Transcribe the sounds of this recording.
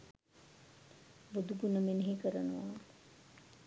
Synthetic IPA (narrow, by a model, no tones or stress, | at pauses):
bud̪uɡunəmeneɦikəɾənuʋaː